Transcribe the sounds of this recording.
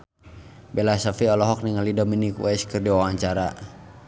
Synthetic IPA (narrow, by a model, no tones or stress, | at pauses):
bɛlasafiɔlɔɦɔk̚niŋalidɔminikwɛskɨrdiwawaɲt͡ʃaɾa̰